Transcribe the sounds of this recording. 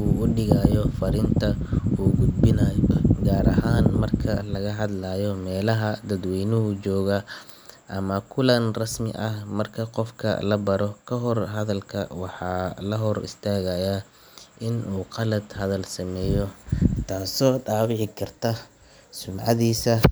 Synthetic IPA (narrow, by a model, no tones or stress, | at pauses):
uːʔʊɖɪɣaːjɔfɐɾɪnt̪ʰɐʔuːɡʊd̪̚bɪnajɔɡaːɾɐ̰ɦaːnmɐrkʰɐlɐɣɐɦɐd̪laːjɔmɛːlɐɦɐd̪ɐd̪wɛjnʊɦʊt͡ʃɔːɣɐ | ʔɐmɐkʰʊlɐnrɐsmɪ̰ʔɐhmɐrkʰɐqɔfkʰɐ̰lɐbɐɾɔkʰɐɦɔrɦɐðɐlkʰɐ̰wɑħɑːlɐɦɔrɪ̰st̪ʰaːɣɐja | ʔɪnʔuːqɑlɐd̪hɐðɐlsɐmɛːjɔt̪ʰaːsɔːɖaːwɪʕɪkʰɐrt̪ʰɐ | sʊmʕɑ̰ðiːsɐ